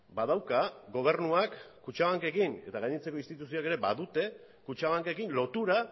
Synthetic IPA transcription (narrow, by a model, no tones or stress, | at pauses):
bað̞awkaɡo̞β̞e̞ɾnuakː | ut͡ʃaβaŋke̞kine̞t̪aɣajɲit͡se̞ko̞inst̪it̪usioake̞ɾe̞baðut̪e̞ | kut͡ʃaβaŋkekinlo̞t̪uɾa